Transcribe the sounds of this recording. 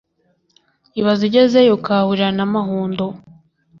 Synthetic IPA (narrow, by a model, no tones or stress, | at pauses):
iβaziɟezejokahuɾanamaɦuːndo